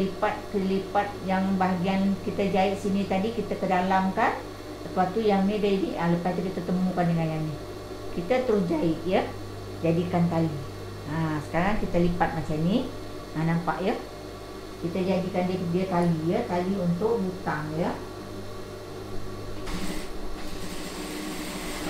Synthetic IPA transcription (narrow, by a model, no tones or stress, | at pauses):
lipat̪̚kəlipat̪̚jaŋbaɦaɡiankit̪ad͡ʒaɪʔsinit̪adikit̪akədalamkan | səpat̪ujaŋnidəiniʔələpast̪ukit̪ət̪əmũkandəŋanjani | kit̪ət̪əɾʊsd͡ʒaɪʔjə | d͡ʒadikankali | əsə̥kaɾaŋkit̪əlipat̪̚mat͡ʃani | ənampa̰ʔjə | kit̪ad͡ʒadikandiəkəbiəkalijəkaliunt̪ʊʔbut̪aŋjə